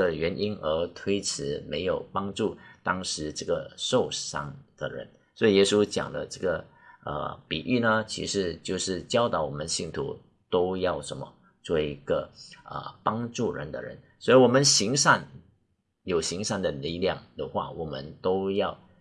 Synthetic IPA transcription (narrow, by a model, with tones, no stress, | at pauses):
ə˨ɥɛ˧˥nʔi˥nə˧˥t̪ʰwe˥ɪʈ͡ʂʰɻ̩˧˥me˧˥ɪjo˨˩ʊpɑ˥ŋʈ͡ʂu˥˩t̪ɑ˥ŋʂɻ̩˧˥ʈ͡ʂɤ˥˩ɡə˩ʂo˥˩ʊʂɑ̰˥ŋd̪̥ə̰˨ɻə̰˧˥n | swɔ˧˥i˨˩jɛ˥su˥t͡ɕjɑ̰˨˩ŋd̪ə̰˦ʈ͡ʂɤ˥˩ɡə˩ | ə̰˧pi˨˩ʔy˥˩nə˧t͡ɕʰḭ˧˥ʂɻ̩˥˧t͡ɕjo˥˧ʊʂɻ̩˥˩t͡ɕjɑ˥ʊt̪ɑ˨˧˥ʊwɔ˨˩mə˧˦nɕi˥˩nt̪ʰṵ˧˥ | t̪o˥ʊjɑ˥˩ʊʂə˧˥nmə̰˧ | t͡swɔ˥˩i˧˥ɡ̥ə˧ə̰˨˩pɑ˥ŋʈ͡ʂu˥˩ɻə̰˧˥nd̪ə̰˧ɻə̰˧˥˦n | swɔ˧˥i˥wɔ˨˩mə˧˦nɕi˧˥ŋʂa˥˩n | jo˨˩ʊɕi˧˥ŋʂa˥˩nd̪ə˨li˥˧ljɑ˥˩ŋd̪ə˨xwa̰˥˩wɔ˨˩mə̰˦nt̪o˥ʊjɑ˥˩ʊ